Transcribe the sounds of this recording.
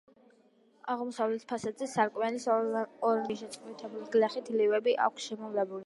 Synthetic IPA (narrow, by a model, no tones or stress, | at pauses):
aʁmɔsavlɛt̪ʰpʰasad̪zɛsaɾkʼmɛlisɔɾniʃɛt̪sʼqʼvit̪ʰɛbuliɡlaχit̪ʰlivɛbiʔa̰kʷʰsʃɛmɔvlɛbuli